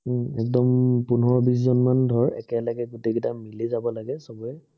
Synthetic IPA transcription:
ɛk̚dɔmpʊnɔɔbis̬zɔnmandʱɔɹɛ̰kɛlaɡɛɡutekitamilizabɔlaɡɛsɔbɔɛ

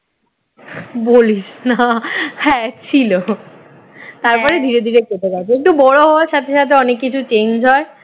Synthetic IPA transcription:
boliʃnahɛ̃t͡ɕʰilo | t̪aɾpɔɾed̪ʱiɾed̪ʱiɾeket̪eɡat͡ɕʰeek̚ʈubɔɽoɦɔaɾʃat̪ʰeʃat̪ʰeɔnekːit͡ɕʰut͡ɕend͡ʑʱɦɔe

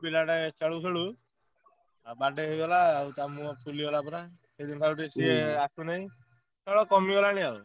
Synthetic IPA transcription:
pilaʈat͡ʃaɭusɔɽu | abaɖeɦeɡɔlaːwt̪amuɔpʰuliɡɔlapɔɾa | sed̪int̪ʰaɾuʈesieasunaɦj̃ | t͡ʃɔɭɔkɔmiɡɔlañiau

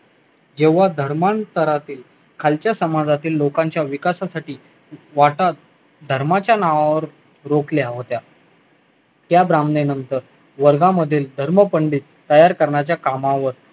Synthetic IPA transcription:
d͡ʑeʋ̤ad̪ʱəɾmant̪əɾat̪iːl | kʰalt͡ɕjasəmad͡zat̪iːlːokãɲt͡ɕjaʋikasasaʈiː | ʋaʈa | d̪ʱəɾmat͡ɕjanaʋaʋəɾ | ɾokljaɦot̪ja | t̪jabɾamnenənt̪əɾ | ʋəɾɡãməd̪ʱːiːld̪ʱəɾməpəɳɖiːt̪t̪ːəjaɾkəɾɳjat͡ɕjakamãʋəɾ

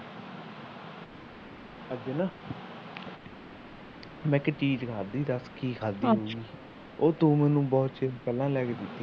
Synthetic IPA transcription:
əd͡ʒenaː | mɛ̃ːkɪʈiːʈkʰaːd̪iːd̪əskiːkʰaːd̪iːɦoːɡiː | oːt̪ũːmɛ̃ːnũːbɔːt̪t͡ʃepɛlːãːlɛːkeːd̪ɪt̪ːiː

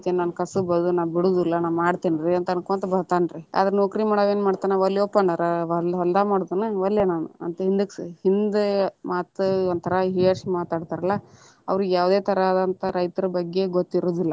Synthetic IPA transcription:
t̪iːnnaːnkɐsubɐd̪unaːʋbiɽuːd̪ilːɐnaːnmaːɽt̪iːnɾiɐnt̪ɐnkoːnt̪ɐbɐd̪t̪aːnɾiɐ̰d̪ɐɾenoːkɾimaːɽoːʋeːnmaːɖt̪aːneʋɐljɔpːɐɳnaɾɐʋɐlɐld̪aːmaːɽod̪ɐnːɐʋɐlːjɐnaːnṵɐ̰nt̪ɐɦind̪ukshind̪maːt̪ɐnt̪ʰɐɾɐɦiɐɾsmaːt̪aːɖt̪aːɾɐlːɐ | ɐ̰ʋɾuɡjaːʋd̪e̞ːt̪ʰɐɾaːd̪ɐnt̪ɐɾɐjt̪ɐɾɐbɐɡːe̞ɡot̪ːiɾuːd̪ilːɐ

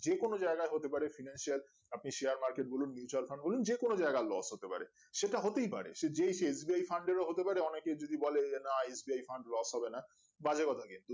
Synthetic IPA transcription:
d͡ʑekonod͡ʑaeɡaeɦot̪epaɾefinanʃial | apniʃeaɾmaɾkeʈ̚bolunːjut͡ɕalfʰaɳɖbolund͡ʑekonod͡ʑaeɡalɔ̰sɦot̪epa̰ɾḛ | ʃeʈaɦot̪ejpa̰ɾḛʃed͡ʑejʃeesbiajfʰaɳɖeɾoɦot̪epaɾeɔneked͡ʑod̪ibɔlenaesbiajfʰaɳɖlɔsɦɔbena | bad͡ʑekɔt̪ʰaɡent̪u

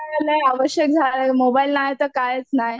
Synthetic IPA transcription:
ləaʋəɕjək̚d͡zʱaɾemobailnajt̪əɾkajet͡snaj

